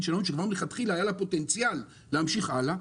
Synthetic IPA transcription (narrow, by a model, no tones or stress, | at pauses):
ʃanonʃekvaʁleχat̪χilaːjalapo̞t̪ent͡sjalː | ehamʃiχala